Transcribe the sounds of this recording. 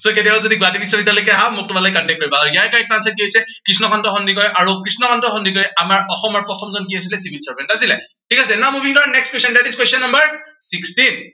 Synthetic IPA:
soketiaazodiɡatibisabitalekɛɦamʊk̚tʊmalajkɔntɛk̚tɦojbaaɡiajkaik̚tansaiojsɛkɹisnɔkʰɔntɔxɔndikɔɹjʔaɹukɹisnɔkʰɔntɹɔxɔndik̬ɔɹɛamaɹɔxɔmaɹpɹɔtʰɔmzɔnk̬ias̬ilɛsibʱilsaɹbɛntasilɛ | tʰikasɛɛnamubʱiŋdɔnɛkstkwesɔndatiskwesɔnːɔmbaɹsikstin

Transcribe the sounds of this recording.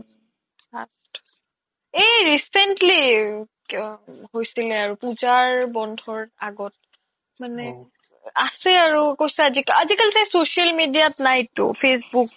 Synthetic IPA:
a̰st | eɹisɛntli | hojsilɛaɹupuzaɹbɔndʱɔɹa̰ɡɔt̚ | manɛ | asɛaɹukojsɛazikazikalɛtajsosialmidijatnajtːʊ̰pʰes̬buk̚

